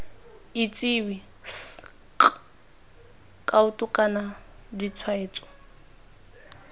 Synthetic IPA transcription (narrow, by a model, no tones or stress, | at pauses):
it͡sʼiwi | s | kʼaʊtʼʊkʼanadit͡sʰwaeːt͡sʼɔ̥